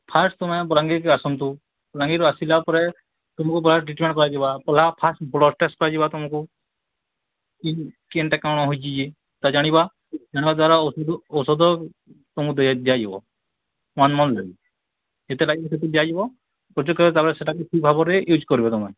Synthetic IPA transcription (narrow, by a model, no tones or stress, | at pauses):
pʰasʈt̪ɔmebɔlaŋɡikasɔnt̪u | bɔlãŋɡiɾɔasilapɔɾe | t̪ɔmɔ̃kupɔlaʈɾiʈmẽɳʈkɔɾad͡ʒibapɔlapʰasʈbɔlɔsʈesʈkɔɾad͡ʒibat̪umɔku | kikeɳʈɛkaɽ̃ɔɦojt͡ʃid͡ʒi | t̪ad͡ʒaɽ̃iba | d͡ʒaɽ̃ibad̪waɾaɔsɔd̪ɔwsɔd̪ɔ | t̪umud̪d̪ijad͡ʒibɔ̰̃ | anmɔnlaɡi | et̪elaɡiset̪id̪ijad͡ʒibɔ | pɾɔd͡ʒɔkɔt̪aɾeseʈʰakukibʱabɔɾejud͡ʒkɔɾibat̪ɔmɛ